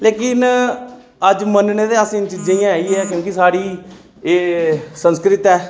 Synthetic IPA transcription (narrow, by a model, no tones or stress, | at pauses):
leːkɪn | əd͡ʒmənneːd̪eːasĩːt͡ʃiːd͡ʒẽjãːiːɛːkjõːkisaːɽiː | eːsə̃nskɾɪt̪ɛː